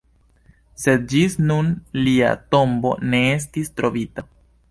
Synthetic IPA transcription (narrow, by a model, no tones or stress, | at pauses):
se̞d̪̚d͡ʒisnunlia̰to̞mbo̞̰ne̞e̞s̬tistɾo̞vita